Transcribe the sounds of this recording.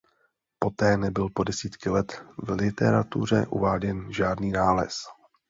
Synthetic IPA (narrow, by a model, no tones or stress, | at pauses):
po̞t̪ɛːnɛbɪlpo̞dɛsiːt̪kɪlɛt̪vlɪt̪ɛɾat̪ṵr̝ɛ̰ʔṵvaːɟɛnʒaːdniːnaːlɛ̰s